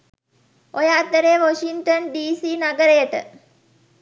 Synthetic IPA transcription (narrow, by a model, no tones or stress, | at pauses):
ojaːt̪ːəɾeʋoʃiŋt̪onɖiːsiːnaɡəɾəjəʈə̰